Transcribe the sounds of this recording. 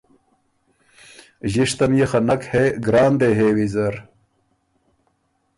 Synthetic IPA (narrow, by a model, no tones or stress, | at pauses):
ʑiʂt̪ɐmjexɐnɐkheɡɾaːnd̪eɦewizɐɾ